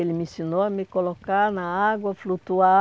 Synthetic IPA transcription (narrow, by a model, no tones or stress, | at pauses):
elɪmĩsonoɐmɪkolokaɾnɐaɡwɐflut̪ua